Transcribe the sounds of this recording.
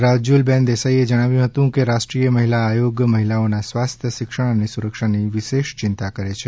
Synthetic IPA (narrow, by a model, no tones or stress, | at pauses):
ɾad͡ʒulbɛ̃nd̪esaied͡ʒəɽ̃aʋjũɦət̪ũkeɾaʃʈɾijəməɦilaːjoɡməɦilaonasʋast̪ʰjəʃɪkʃəɳ̃ənesuɾəkʃaniʋɪʃeʃt͡ʃɪnt̪akəɾet͡ʃʰe